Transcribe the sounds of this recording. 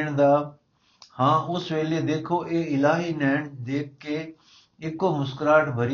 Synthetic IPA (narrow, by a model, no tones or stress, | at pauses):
ɳ̃d̪aː | hãːʊsʋeːled̪eːkʰoːʔeːɪlaːɦiːnɛːɳd̪eːkʰːeː | ɪkoːmʊskɾaːʈbʱəɾi